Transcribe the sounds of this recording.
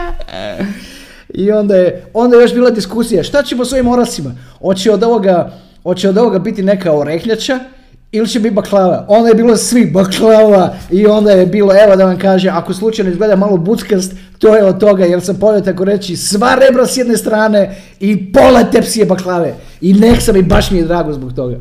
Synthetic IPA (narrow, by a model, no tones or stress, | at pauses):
io̞nd̪ajeo̞nd̪ajeo̞ʃbiːlˠad̪iskusijaʃt̪at͡ɕeposʋo̞imo̞ɾasimaot͡ɕeod̪o̞ʋoɡa | ot͡ɕeod̪o̞ʋoɡabit̪ine̞kaoɾexɲat͡ʃa | ilit͡ɕebit̪̚baklˠaːʋao̞nd̪ajebiːlosʋibaklˠaʋaio̞nd̪ajebiːlˠoeʋod̪aʋamkaːʒeakoslˠut͡ʃajnoizɡle̞d̪amaːlˠo̞but̪skast̪ | t̪ojeod̪̚t̪o̞ɡajelsampoet̪akoɾet͡ʃisʋaɾe̞bɾasjed̪ne̞st̪ɾaːne̞ | ipolat̪epsijebaklˠaːʋe | ineksamibaʃmijed̪ɾaːɡozbok̚t̪o̞ɡa̰